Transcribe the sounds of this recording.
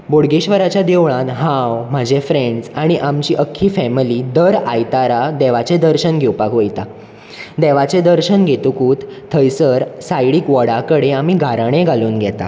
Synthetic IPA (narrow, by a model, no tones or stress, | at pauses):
boɽɡeɕʋəɾat͡ɕjad̪eʋɭãt̪ɦãwm̤ad͡ʑefɾeɳɖsaɽ̃iʔamt͡ɕiːʔəkʰːiːfɛmiliːd̪əɾajt̪aɾad̪eʋat͡sed̪əɾɕənɡʱewpakojt̪a | d̪eʋat͡sẽd̪əɾɕənɡʱet̪ukuːt̪t̪ʰːəjsəɾsajɽiːkʋəɽakəɽeam̤iːɡʱaɾaɽ̃ẽɡʱaluːnɡʱɛt̪a̰